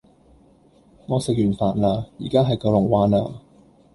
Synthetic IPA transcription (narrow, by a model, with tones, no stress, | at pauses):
ŋɔː˨˧sɪ˨k̚jyː˨˩nfaː˨˩nlaː˧jḭː˨˩kaː˥ɦɐ˨jkɔː˨˧lʊ˨˩ŋwaː˨˧naː˧